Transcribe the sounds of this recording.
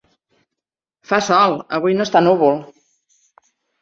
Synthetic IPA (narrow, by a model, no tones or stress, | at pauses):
fasɔlˠəβujnost̪anuβulˠ